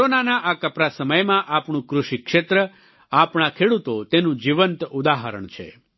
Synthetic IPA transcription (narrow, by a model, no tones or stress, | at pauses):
onanaʔakəpɾasəməjmãʔapɳ̃ũkɾuʃikʃet̪ɾə | apɳ̃akʰeɽut̪ot̪enũd͡ʒiʋənt̪ud̪aɦəɾə̰ɳt͡ʃʰḛ